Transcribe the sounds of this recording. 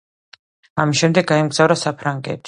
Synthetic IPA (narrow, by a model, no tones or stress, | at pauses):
amisʃɛmd̪ɛɡɡːaɛmɡz̥avɾasapʰɾaŋɡɛ̰t̪ʰi̥